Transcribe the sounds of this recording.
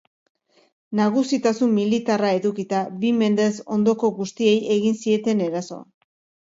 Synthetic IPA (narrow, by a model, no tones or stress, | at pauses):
naɣ̞usit̪asumːilit̪arae̞ðukit̪aβime̞nd̪e̞so̞nd̪o̞ko̞ɣust̪ie̞je̞ɣinsie̞t̪e̞ne̞ɾaso̞̰a